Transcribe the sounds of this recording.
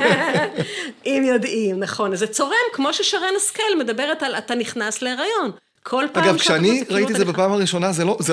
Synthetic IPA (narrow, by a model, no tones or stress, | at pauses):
ʔimjo̞dʔimnaχo̞nzet͡so̞ʁemkmo̞ʃeʃaʁenaskelmed̪abe̞ʁetalataniχnasleʁajo̞n | kʰo̞lpaaɡavmkʃeaniʁait̪ietzebapaːmaʁiʃo̞nazeloze